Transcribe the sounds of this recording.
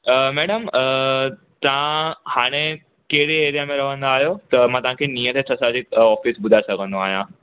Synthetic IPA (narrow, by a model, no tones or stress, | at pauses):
əːmɛːɽəmə | t̪ɐʋ̤ãhaːɽ̃e | keɦɪɽieːɾijamẽɾɐʋ̤ə̃nd̪aːɦijot̪ɐmãt̪ɐʋ̤ãkʰeniːət̪ʰet̪ʰɐsad͡ʑɪkɔːfisbʊd̪ʱasɐɡʱə̃nd̪oaːɦijã